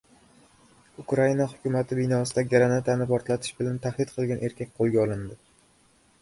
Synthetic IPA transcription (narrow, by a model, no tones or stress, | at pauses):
ʊkɾainahʊkʲʊmat̪ʰɪbɪnɒsɪd̪aɡʲaɾanat̪ʰanɪpɒɾt̪lat̪ʰɪ̥ʃbɪlant̪ʰahd̪ɪdt̪̚qʰɨlˠɡʲanʔe̞ɾkʲak̚ʲqʰolˠɡʲaɒlˠɪnd̪ɪ